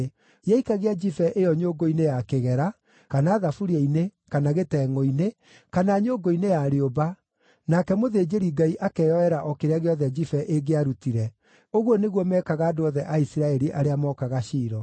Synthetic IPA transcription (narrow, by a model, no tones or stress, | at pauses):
jaikaɣead͡ʒifɛʔejɔɲoːɡoinejakeɣɛɾa | kanaːðafuɾiainekanaɣetɛːŋɔine | kanaɲoːɡoinejaːɾeoba | nakɛmoðed͡ʑeɾiɡaiʔakɛːjɔɛɾaʔɔkeɾeaɣeɔðɛd͡ʒifɛʔeɡeaɾutiɾɛ | oɣwɔneɣwɔmɛkaɣaːdoɔðɛʔaisiɾaɛɾiʔaɾeamɔkaɣaʃiːɾɔ